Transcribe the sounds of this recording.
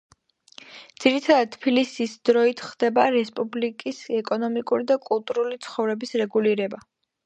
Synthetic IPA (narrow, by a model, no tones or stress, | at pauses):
dd̪̥z̥iɾit̪ʰad̪ad̪̚t̪ʰpʰilisisd̪ɾɔit̪ʰχd̪̥ɛbaɾɛspʼublikʼisɛkʼɔnɔmikʼuɾid̪akʼulˠt̪ʼuɾulit̪sʰχɔvɾɛbisɾɛɡuliɾɛba